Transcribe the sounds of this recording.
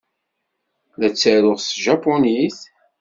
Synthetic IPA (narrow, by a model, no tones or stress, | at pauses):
ðæt͡sːæɾʊʁsʒɑponiθ